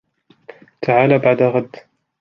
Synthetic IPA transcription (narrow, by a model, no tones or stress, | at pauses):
t̪ʰaʕaːlaːbaʕd̪aɣad̪ː